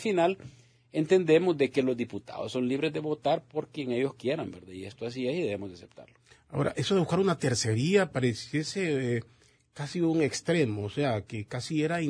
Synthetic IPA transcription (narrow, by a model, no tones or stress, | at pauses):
final | e̞nt̪e̞nd̪e̞mozd̪e̞ke̞lo̞zd̪iput̪a̰ðosːo̞nliβɾezd̪e̞βo̞t̪aɾpo̞ɾkje̞ŋe̞ʝo̞skje̞ɾambeɾd̪aie̞st̪oas̬iesiðeβemozd̪ase̞p̚t̪a̰ɾloao̰ɾa̰ʔe̞soðeuskaɾunat̪e̞ɾse̞ɾiapaɾesje̞se | kasiuŋe̞kst̪ɾe̞mo̞ːseakekasieɾai